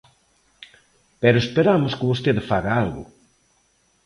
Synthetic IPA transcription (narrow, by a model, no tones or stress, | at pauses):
pɛɾoespeɾamʊskɪβost̪eðɪfaɣaalɣʊ̰